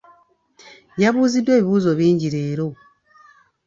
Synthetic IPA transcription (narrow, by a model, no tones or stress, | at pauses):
jaβuːzidːwe̞ːβiβuːzo̞βiːɲɟiɾeːɾo